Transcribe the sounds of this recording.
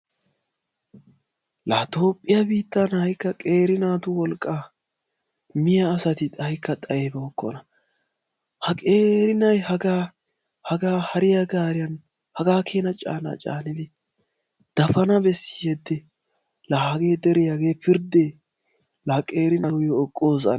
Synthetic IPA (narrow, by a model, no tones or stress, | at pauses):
laːt̪o̞ːpʼːɪjɐbiːt̪ːanhɐjkːɐkʼe̞ːɾɪnaːt̪ʊwɔlkʼːaː | mɪjɐːsɐt̪ɪt̪ʼɐjkʰːɐt̪ʼɐeːbɛɔkːɔ̰nɐ | hɐkʼeːɾɪnɐjhɐɡaː | hɐɡaːhɐɾɪjɐɡaːɾɪjɐn | hɐɡaːkʰeːnɐt͡ʃʼa̰ːna̰ːt͡ʃʼa̰ːnɪd̪ɪ | d̪̥ɐfɐnɐbɛsːɪjɛd̪ːɛ | lɐhɐɡe̞ːd̪ɛɾɪjaɡeːpɪɾd̪e | lɐkʼeːɾɪnɐwjɔɔkʼːoːzɐ̰n